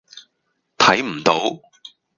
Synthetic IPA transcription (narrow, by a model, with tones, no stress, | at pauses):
t̪ʰɐ˨˥jm̩˨˩t̪o˨˥w